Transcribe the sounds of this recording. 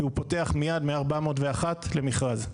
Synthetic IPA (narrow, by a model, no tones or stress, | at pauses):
iupo̞te̞aχmijad̪meaʁbamoːtveaχatle̞miχʁaz